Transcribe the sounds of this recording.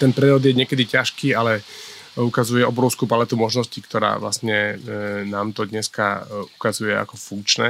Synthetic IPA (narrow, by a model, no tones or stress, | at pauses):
t̪ɛnpɾɛɔd̪jɛɲɪɛkɛd̪icaʃkiːalɛ | ukazujɛɔbɾɔʊskuːpalɛt̪umɔʒnɔscikt̪ɔɾa̰ːʋla̰sɲɛnaːmt̪ɔd̪ɲɛskaukazujɛa̰kɔfuŋkt͡ʃnɛ